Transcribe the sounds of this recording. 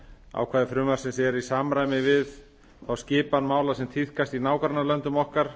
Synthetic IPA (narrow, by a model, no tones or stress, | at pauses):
a̰wkʰvaːðɪfɾʏːmaɾ̥sɪnsɛɾisaːmɾaːjmɪvɪð | θawscɪːpanmaːwlasɛmt̪ʰið̥kast̪inaːwkɾanːalœnt̪ʏmɔhkaɾ̥